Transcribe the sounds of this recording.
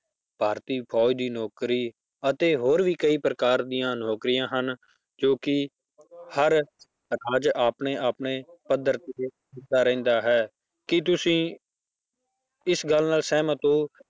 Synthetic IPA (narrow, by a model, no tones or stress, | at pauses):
bʱaːɾt̪iːpʰɔːid̪iːnɔːkɾiː | ət̪eːɦoːɾʋiːkəiːpɾəkaːɾd̪ijãːnɔːkɾijãːɦən | d͡ʒoːkɪ | həɾ | ɾaːd͡ʒaːpneːʔaːpneːpəd̪əɾt̪eeː | ɪaːɾɛ̃ːnd̪aːɦɛː | kɪt̪̬ʊsĩː | ɪsɡəlnaːlsɛːmãːt̪õː